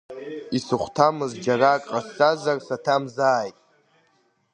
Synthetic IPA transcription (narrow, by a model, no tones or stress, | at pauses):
isɨχʷtʰamɨzd͡ʒarakʼqʼast͡sazarsatʰamzaːjtʼ